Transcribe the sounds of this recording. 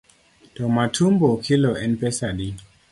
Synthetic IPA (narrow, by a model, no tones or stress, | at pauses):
d̥omatʰumbokʰiloenpesadi